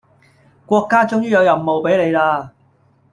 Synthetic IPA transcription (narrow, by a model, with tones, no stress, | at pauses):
kʷɔː˧kːaː˥t͡sʊ˥ŋjyː˥jɐ˨˧wjɐ˨˩mmo˨wpe˨˥jle˨˧jlaː˧